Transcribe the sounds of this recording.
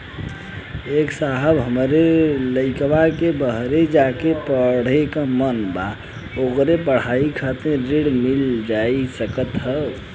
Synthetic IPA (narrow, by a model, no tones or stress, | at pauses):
eksaɦəbɦəmɾeləɪkbakebəɦɾed͡ʒakepəɽ̤ekãmənba | okɾep̬əɽ̤aikʰat̪ẽɾiɽmild͡ʒaisəkət̪ɦə